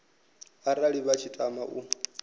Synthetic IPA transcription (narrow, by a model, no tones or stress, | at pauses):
aɾaɺiβat͡ʃʰitʼamaʔu